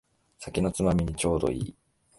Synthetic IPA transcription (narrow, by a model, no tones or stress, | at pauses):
sakʲino̞t͡sɨmamʲiɲ̟it͡ɕo̞ːd̪o̞̰ḭː